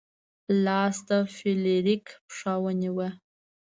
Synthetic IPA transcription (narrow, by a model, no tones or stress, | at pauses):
laːstʰafeleɾikʰpʰʂawaniwa